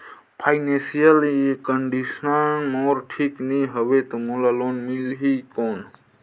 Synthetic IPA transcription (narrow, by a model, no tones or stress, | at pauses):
pʰajnẽsijəlekəɳɖisənɔːɾʈʰiːkniɦəʋet̪omolaloːnmilɦikoːn